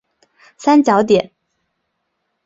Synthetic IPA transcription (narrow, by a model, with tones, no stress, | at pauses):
sa˥nt͡ɕjɑ˧˥ʊt̪̬jɛ˨˩˦n